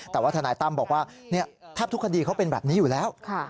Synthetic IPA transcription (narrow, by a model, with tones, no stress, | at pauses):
t̪ɛː˨˩waː˥˩t̪ʰa˧naː˨˦jt̪a˥˩mbɔː˨˩kwaː˥˩ni˥˩ət̪ʰaː˦˥˩p̚t̪u˦˥kʰa˧diː˧kʰa˦˥wpe˧nbɛ̰ː˨˩p̚niː˦˥juː˨˩lɛː˦˥wkʰa˥˩